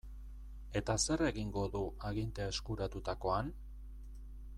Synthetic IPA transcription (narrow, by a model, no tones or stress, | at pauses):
e̞t̪ase̞re̞ɣiŋɡo̞ðuʔaɣint̪e̞ae̞skuɾat̪ut̪ako̞an